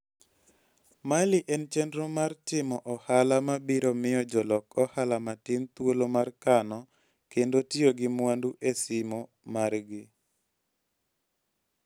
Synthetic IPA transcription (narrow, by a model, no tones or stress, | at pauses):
malɪʔɛnt͡ʃɛndɾomartɪmɔʔɔhalamabiɾomɪjɔd͡ʒɔlɔkɔhalamatɪnt̪wolomarkanɔ | kendotioɡɪmwanduʔesɪmɔ | marɡɪ